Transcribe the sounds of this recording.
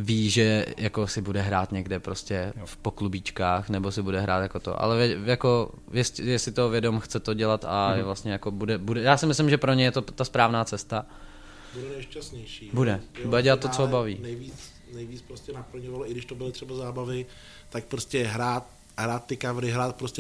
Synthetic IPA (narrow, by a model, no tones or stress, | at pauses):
viːʒɛjʔakosɪbudɛɦɾaːt̪ɲɛɡdɛpɾoscɛfpoklubiːt͡ʃkaːxnɛbosɪbudɛɦɾa̰ːt̪jako̞t̪o̰ʔa̰lɛvɛjako | jɛsjɛsɪt̪ovjɛdo̞mxt͡sɛt̪oɟɛlat̪a̰jɛvlast̪ɲɛjakobudɛbudɛjaːsɪmɪslɪmʒɛpɾoɲɛjɛt̪ot̪aspɾaːvnaːt͡sɛst̪a | budɛnɛʃcast̪ɲɛjʃiːbudɛbudɛɟɛlat̪t̪ːot͡soobavḭːnɛjviːt͡s | nɛjviːt͡spɾoscʲɛnapl̩ɲovaloʔɪɡdɪʃt̪obɪlɪt̪r̥ɛbazaːbavɪ | t̪ak̚pɾoscɛɦɾaːt̪̚ | ɦɾaːt̪ːɪkavɾɪɦɾaːt̪̚pɾoscɛ